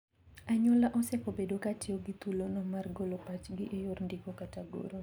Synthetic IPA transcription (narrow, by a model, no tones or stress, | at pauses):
aɲɔlaʔɔsɛpobedokatɪoɡɪt̪ulonɔmarɡolopat͡ʃɡɪʔejorndikokataɡo̰ɾo